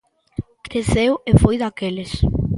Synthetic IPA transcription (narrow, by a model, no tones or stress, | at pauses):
kesewefojðakelɪs